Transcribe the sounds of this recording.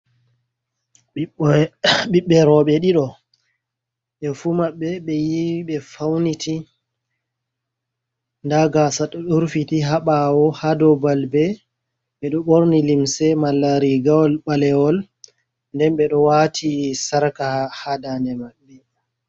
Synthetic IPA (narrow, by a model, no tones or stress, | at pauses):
ɓiɓːɛɾɔɓɛɗiɗɔ | ɓɛfumaɓːɛɓɛjiiɓɛfawnitʰi | ndaɡasaɗɔɗuɾfitiɦaɓawɔhadɔbalbɛ | ɓɛɗɔɓoɾnilimsɛmalːaɾiɡawɔlɓalɛwɔl | ndɛnɓɛɗɔwatʰisaɾkahadanɛmaɗɛ